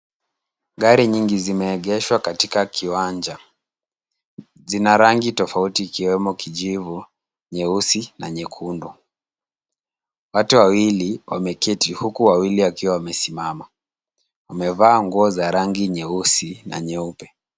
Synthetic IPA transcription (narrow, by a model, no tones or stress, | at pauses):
ɡaɾiɲiŋɡizimɛːɠɛʃwakatikakʰiwaɲd͡ʒa | zinaɾaŋɡitɔfautiːkiwɛmɔkiʄivu | ɲɛusinaɲɛkʰundɔ | watuwawiliwʔa̰mɛkitihukuwawiliwakiwawamɛsimama | wamɛvaːŋɡuɔzaɾaŋɡiɲɛusina̰ɲɛupɛ